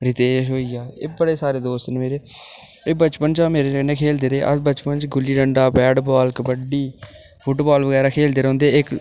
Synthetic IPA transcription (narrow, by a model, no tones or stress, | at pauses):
ɾɪt̪eːʃ̬ɦoːiːɛːeːbəɽeːsaːɾeːd̪oːst̪nːmeːɾeː | eːbət͡ʃpənt͡ʃaːmeːɾeːkneːkʰeːld̪eːɾeːʔə̰sbət͡ʃpənt͡ʃɡʊlːiːɖəɳɖaːbɛːɖbaːlkbəɖiː | pʰʊʈbaːlbəɡɛːɾaːkʰeːld̪eːɾõːnd̪eːɪk